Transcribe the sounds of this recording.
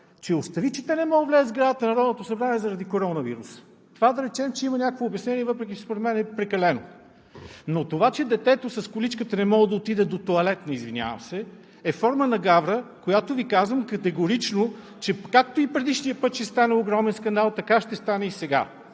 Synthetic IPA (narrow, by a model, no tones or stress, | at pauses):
t͡ʃɛʊst̪ɐvit͡ʃi̥t̪ɛnɛmɔɡəvlʲɛəzɡɾad̪ət̪ənɐɾɔd̪not̪osɐbɾaniɛzɐɾɐd̪ikoɾɔnəvḭɾusə̥ | t̪ovad̪ɐɾɛt͡ʃɛmt͡ʃɛimɐnʲakovoʊbjɐsnɛnʲiɛvɤpɾɛk̬ʲit͡ʃɛspoɾɛd̪mɛnɛpɾɛkɐlɛno̰ | not̪ovat͡ʃɛd̪ɛt̪ɛt̪osɐskʊlit͡ʃkət̪ənɛmɔɡəd̪ɐot̪id̪ɛd̪ot̪oɐlɛt̪nɐizvinʲa̰və̰msɛ | ɛfɔɾmənɐɡavɾəkojat̪ovikazvəmkɐt̪ɛɡoɾit͡ʃno | t͡ʃɛkakt̪oipɾɛd̪iʃnijəpɤt̪t͡ʃɛst̪anɛoɡɾɔmɛnskɐnd̪alˠt̪ɐkaʃt̪ɛst̪anɛisɛɡa̰